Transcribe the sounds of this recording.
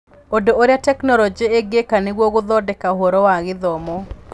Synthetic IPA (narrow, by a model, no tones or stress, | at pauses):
odooɾjatɛknɔlɔd͡ʒeeɡekaneɡwoɡʊd̪ɔdɛkaɦoɾɔwaɣɪðɔmɔ